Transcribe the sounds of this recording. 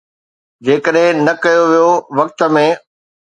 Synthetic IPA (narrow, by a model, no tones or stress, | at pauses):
d͡ʑeːkəɗɦɪ̃nɐkɐjoʋijoʋɐk̚t̪ə̆mẽ